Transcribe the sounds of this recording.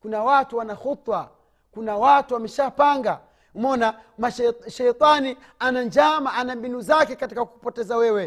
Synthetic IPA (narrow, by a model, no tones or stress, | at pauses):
kunawatuwanaxut̪wa | kunawatuwamɛʃapaŋɡa | mɔnamaʃʃɛjt̪ˤani | anad͡ʒamaʔanambinuzakɛkatikaku̥pɔtɛzawɛwɛ